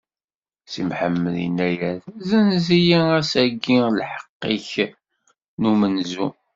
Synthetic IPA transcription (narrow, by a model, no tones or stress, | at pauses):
simħəmːəlḭnæjæðzænzijiæsæɡːilħə̥qːiç | numənzu